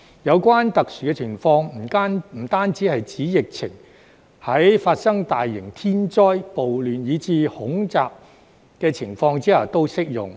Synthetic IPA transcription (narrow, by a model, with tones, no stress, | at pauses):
jɐ˨˧wkʷaː˥nt̪ɐ˨k̚syː˨˩kɛː˧t͡sʰɪ˨˩ŋfɔː˧ŋm̩ː˨˩˥m̩˨˩t̪aː˥nt͡siː˨˥hɐ˨jt͡siː˨˥jɪ˨k̚t͡sʰɪ̰˨˩ŋ | hɐ˨˥jfaː˧t̚sɐ˥ŋt̪aː˨jːɪ˨˩ŋt̪ʰiː˥nt͡sɔː˥jpo˨wlyː˨njiː˨˧t͡siː˧hʊ˨˥ŋt͡saː˨p̚ | kɛː˧t͡sʰɪ˨˩ŋfɔː˧ŋt͡siː˨˥ɐ˨˩t̪o˥wsɪ˥k̚jʊ̰˨˩ŋ